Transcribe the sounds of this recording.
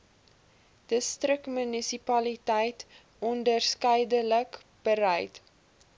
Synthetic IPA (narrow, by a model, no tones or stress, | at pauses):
d̥əstrəkmynisipɐlitɛjt | ɔndərskəjdələk | b̥əɾɛjt